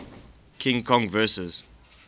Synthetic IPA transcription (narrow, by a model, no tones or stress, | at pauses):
kʰɪ̃ŋkʰɔ̃ŋvɜːˑsəz